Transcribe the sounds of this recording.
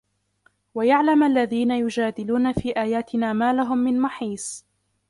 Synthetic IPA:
wajaʕlamʔalːaðiːnajʊd͡ʒaːd̪ɪluːnafiːʔaːjaːt̪ɪnaːmaːlaɦʊmːɪnmaħiːsˤ

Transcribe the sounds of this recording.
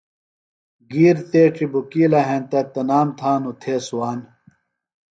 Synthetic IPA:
ɡiːɾt̪eːʈ͡ʂibukiːlɐɦẽnt̪ɐt̪ɐnaːmt̪ʰaːnut̪ʰeːsuwaːn

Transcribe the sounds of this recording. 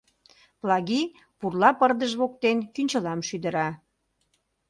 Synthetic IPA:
plɑɣi | purlɑpərd̪əʒβok̚t̪enkynʲt͡ɕəlɑmʃyd̪ə̆ɾɑ

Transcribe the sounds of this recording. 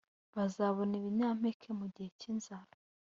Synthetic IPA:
βazaβo̞niβiɲaːm̥ekʰe̞muɟihe̞cinzaɾa

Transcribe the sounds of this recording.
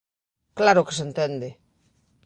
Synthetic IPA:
klaɾʊke̥sent̪end̪e

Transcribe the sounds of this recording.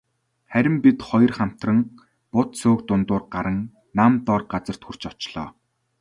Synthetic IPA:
χæɾʲɪ̆mpit̪χɔj̆rχam̥t̪rə̆ŋ | pʊt̪soːkt̪ʊnt̪ʊːrɢaɾə̆ŋ | namt̪ɔːrɢat͡sə̆r̥t̪xur̥t͡ɕɔt͡ɕɮ̥ɔ̰ː

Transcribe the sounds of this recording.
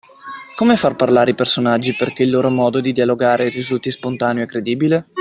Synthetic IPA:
komefarparlaːɾeipersonad͡ʒːiperk̟eilːoːɾomɔːd̪od̪id̪ialoɡaːɾerizult̪ispont̪aːneoɛkːɾed̪iːbile

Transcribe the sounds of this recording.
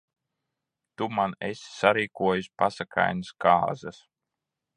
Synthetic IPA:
t̪umanesʲsaɾiːkuɔjusʲpasakʰa̰jnɨska̰ːzɐs

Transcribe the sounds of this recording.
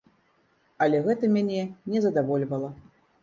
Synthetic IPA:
ɐlʲɛɣɛt̪ɐmʲanʲɛnʲɛzɐd̪avɔlʲvɐlˠɐ

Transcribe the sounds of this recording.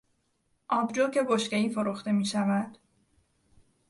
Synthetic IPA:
ʔɒːbd͡ʒocʰe̞ɡo̞ʃceiːfo̞ɾuxt̪e̞miːʃævæd̪̥

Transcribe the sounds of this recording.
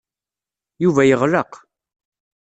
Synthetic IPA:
juvæjəʁləq

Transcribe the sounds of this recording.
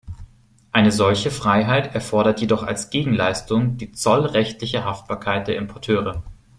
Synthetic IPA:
ʔaɪnəzɔlçəfʁ̥aɪɦaɪtɛɐfɔɐɾɐtjedɔχa̰lsɡ̥eːɡŋ̩laɪstʊŋd̥iːt͡sɔlʁɛçtlɪçəɦaft̚b̥aːɐkʰaɪt̚d̥eːɐɪmpʰɔɐtʰøːʁə

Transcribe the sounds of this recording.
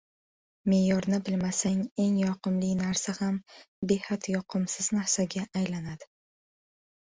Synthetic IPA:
me̞jɒɾnɪbɪlmasaŋe̞ŋjɒqɨmlɪnaɾsaham | be̞hat̪jɒqʰɨmsɪznaɾsaɡʲaːjlanad̪̥ɪ

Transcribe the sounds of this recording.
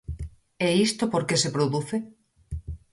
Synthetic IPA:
ɛist̪opoɾkesepɾoðuθe

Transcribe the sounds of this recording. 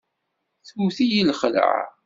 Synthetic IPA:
θuθijilχələ̰ʕ̰

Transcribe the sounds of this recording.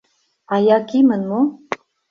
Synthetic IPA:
ɑjɑkimənmo

